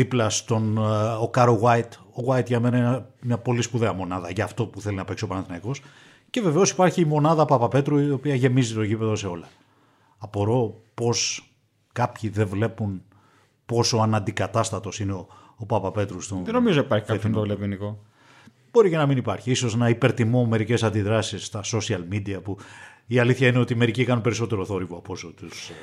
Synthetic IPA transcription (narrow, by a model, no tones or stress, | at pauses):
ðiplɐst̪o̞nokɐɾoɣwɐit̪ | o̞ɣwɐit̪ʝɐme̞nɐinɐmɲɐpo̞lispuðeɐmo̞nɐðɐʝɐft̪o̞puθe̞linɐpeksiopɐnɐθinɐiko̞s | ce̞ve̞ve̞o̞si̥pɐɾçimo̞nɐðɐpɐpɐpe̞t̪ɾuopiɐʝe̞mizit̪ocipe̞ðo̞se̞o̞lɐː | po̞ɾo̞po̞s | kɐpçiðe̞vle̞pun | po̞soɐnɐnd̪ikɐt̪ɐst̪ɐt̪o̞sineo | opɐpɐpe̞t̪ɾust̪uðenomizonipɐɾçi̥kɐt̪ovlepiniko | b̥o̞ɾicenɐminipɐɾçiiso̞senɐipe̞ɾt̪imo̞me̞ɾice̞sɐnd̪iðɾɐsisːt̪ɐso̞siɐlmid̪iɐpu | iɐliθçɐineo̞t̪ime̞ɾicikɐnunpeɾiso̞t̪e̞ɾo̞θo̞ɾivoɐpo̞sot̪us